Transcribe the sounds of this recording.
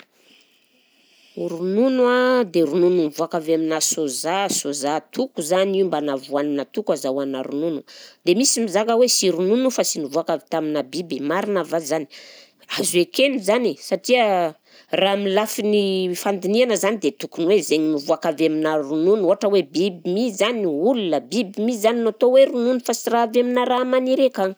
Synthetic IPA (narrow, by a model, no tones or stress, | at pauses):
ɾununwad̪eɾunununivuakavaminasozasozat̪ʰukuzaniumbanavuaninat̪ukwazawanaɾununud̪emisimizaɡəwesiɾununufasinivuakavit̪aminabibimaɾinavazani̥ | azekenuzanisaʈ͡ʂiə | ramilafinifand̪inianəzanid̪et̪ukunwezeŋinivuakaveminaɾununuaʈ͡ʂəwebibimizaniulunəbibimizaninot̪oweɾununufasiraaveminaɾamaniɾekaŋ